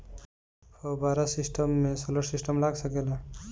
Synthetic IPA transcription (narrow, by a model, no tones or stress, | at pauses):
hobaːɾasɪsʈəmːẽsoləɾsɪsʈəmlaːɡsəkeːla